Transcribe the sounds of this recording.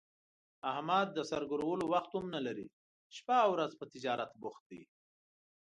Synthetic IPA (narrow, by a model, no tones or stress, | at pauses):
ahmad̪̚ːəsaɾɡʊɾawəlowaxt̪ʊmnalaɾḭ | ʃpawɾazpət̪ɪd͡ʒɑɾat̪bʊxt̪̚d̪i